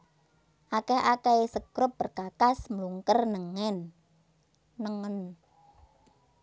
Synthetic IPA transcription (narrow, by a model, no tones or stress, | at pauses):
ʔakɛhʔakɛesəkɾʊp̚bərkakasmluŋkərnəŋɛn | əŋən